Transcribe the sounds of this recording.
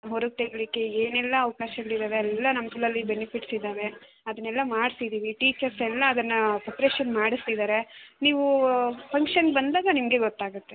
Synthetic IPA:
ɦoɾuɡ̚t̪eɡɐɭikːeeːnɛlːɐːʋɐkaːʃɐɡɐɭid̪aːʋeɐlːɐnɐmɐɡɐɭɐlːibenipʰiʈsid̪aːʋe̞ | ɐd̪ɐnːɛlːɐmaːɖsid̪iːʋiʈiːt͡ʃɐɾsɛlːɐːd̪ɐnːɐpɐpɐɾeːʃɐnmaːɽist̪id̪aːɾe̞niːʋupʰɐŋkʃɐnɡebɐnd̪aːɡɐnimɐɡe̞ɡɔt̪ːaːɡut̪ːe̞

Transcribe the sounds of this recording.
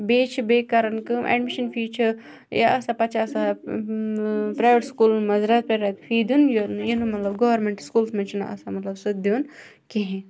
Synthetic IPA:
beːt͡ʃʰbeːkɐɾɐnkɨmʔḛɖmiʃɐnfʰiːt͡ʃʰɨ | ja̰ʔɐsapɐt͡ʃaːsa | pɾaːjʋeʈskuːlmɐzɾɐt̪̚pɾaɾɐt̪fʰiːd̪unjonjinumɐt̪lɐbɡoʋɐɾmẽɳʈskuːlsmẽt͡ʃʰuna̰ʔɐ̰samɐt̪lɐbsɨd̪in | keɦẽ

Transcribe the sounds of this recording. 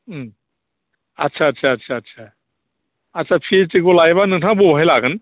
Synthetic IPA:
m | ɐtːsʰaːtːsʰatsʰaːtsʰa | atːsʰapʰitiɡolajbanɯŋtʰabɔɦajlaɡɯn

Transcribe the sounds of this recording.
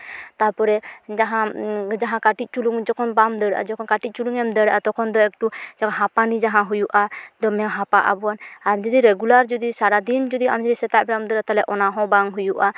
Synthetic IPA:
t̪aɾpɔɾɛd͡ʒaɦãd͡ʒaɦãkaʈic̪̚ˀt͡ʃuluŋd͡ʒɔkʰɔnbamd̪əɽʔa̰d͡ʒɔkʰɔnkaʈit̪c̚t͡ʃuluŋɛmd̪əɽaʔat̪ɔkʰɔnd̪ɔɛk̚ʈud͡ʒɔɦãpanid͡ʒaɦãɦujuʔad̪ɔmɛɦãpaʔa̰bɔanamd͡ʒɔd̪iɾɛɡulaɾd͡ʒɔd̪isaɾad̪ind͡ʒɔd̪iamd͡ʒɔd̪isɛt̪aʔbɛɾamd̪əɾat̪alɛʔɔnaɦɔ̃baŋɦujuʔa

